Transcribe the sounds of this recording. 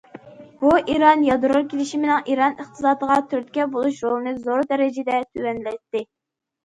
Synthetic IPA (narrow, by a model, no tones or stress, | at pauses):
b̥uʔiɾɑnjɑd̪uɾuɾkʲʰelɪʃimɪnɪŋʔiɾɑnəχt̪ʰɨ̥sɑːd̪əʁɑt̪ʰyɾt̪̚ʲkʲɛbolˠuʃɾolnɨzoɾd̪ɛɾɪd͡ʒɛd̪ɛt̪ʰywɛnlɛt̪ːɪ